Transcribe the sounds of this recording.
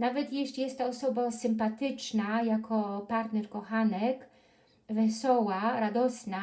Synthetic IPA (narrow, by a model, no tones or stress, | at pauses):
navɛt̪jɛʂʲjɛst̪t̪ɔɔsɔbasɘmpat̪ɘt͡ʂnajakʰɔpaɾt̪nɛɾkɔxanɛk | vɛsɔwaɾad̪ɔsna